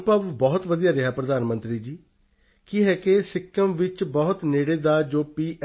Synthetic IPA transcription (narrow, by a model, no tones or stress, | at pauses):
pəʋbɔːt̪ʋəd̪ijaːɾɪɦaːpɾəd̪aːnmənt̪ɾiːd͡ʒiː | kiːɦɛːkesɪkʰːəmʋɪt͡ʃbɔːt̪neːɽeːd̪aːd͡ʒoːpiːʔ